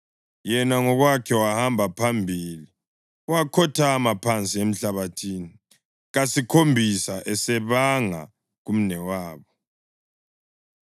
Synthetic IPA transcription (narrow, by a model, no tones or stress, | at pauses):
jɛnaŋɔɣwakʰɛwahambʱapʰambʱili | uwakʰɔtʰaːmapʰant͡sʼiem̩ɬaβatʰiːni | ɣasikʰombʱisaʔɛsɛβaŋa̰ | ɣum̩nɛwaːβɔ